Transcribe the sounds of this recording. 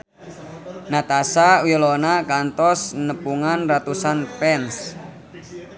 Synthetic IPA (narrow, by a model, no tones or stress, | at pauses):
nat̪asawilɔnakant̪ɔsnəpuŋanrat̪usanpɛns